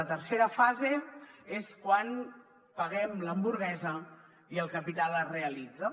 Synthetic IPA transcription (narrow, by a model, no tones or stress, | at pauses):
ət̪ərseɾəfazeeskwan | pəɣɛmləmbuɾɣɛzə | iəlˠkəpit̪aləreəlid͡zə